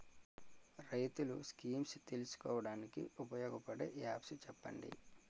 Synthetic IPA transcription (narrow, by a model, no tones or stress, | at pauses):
ɾɐjt̪uluskiːmst̪elusu̥kɔːʋɐɽaːnikḭupɐjɔːɡɐpɐɽḛjaːpsut͡ʃɛpːɐ̰ɳɖḭ